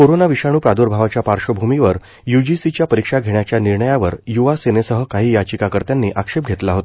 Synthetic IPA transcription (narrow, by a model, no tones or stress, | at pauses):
koɾonaʋiʂaɽ̃uːpɾad̪oɾbʱaʋat͡ɕjapaɾʂəbʱumiʋəɾ | jud͡ʑisit͡ɕjapəɾikʂaɡʱeɳjat͡ɕjaniɾɳəjaʋəɾjuʋasenesəɦəkaɦiːjat͡ɕikakəɾt̪janːiːʔakʂep̚ɡʱet̪laɦot̪a